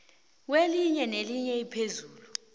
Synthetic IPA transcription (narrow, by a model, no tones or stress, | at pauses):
weliɲɛneliɲɛipʰezuːlu